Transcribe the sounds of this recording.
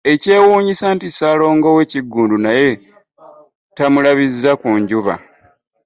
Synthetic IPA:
e̞ce̞ːwuːɲisaːntisaːlo̞ːŋɡowe̞ːciɡːuːndunaje̞ | tamulaβizːakuɲɟuβa̰

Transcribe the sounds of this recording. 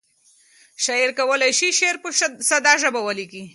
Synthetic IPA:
ʃaiɾkawəlajʃiʃeɾpəsad̪ɑʒəbawaliki

